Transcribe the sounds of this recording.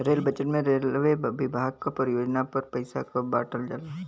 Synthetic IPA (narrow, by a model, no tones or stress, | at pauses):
ɾeːlbət͡ʃəʈmẽɾeːlʋeʋɪbʱaːɡ̚kapəɾɪjoːd͡ʒnapɐɾpɐɪsa̰kobaːʈəld͡ʒala